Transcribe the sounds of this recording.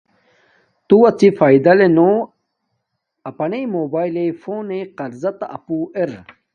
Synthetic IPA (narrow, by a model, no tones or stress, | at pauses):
t̪uɐt͡sifaːid̪ɐleno | ɐpɐnejmoːbaːjlefoːneqɐɾzɐt̪ɐ̰pueɾ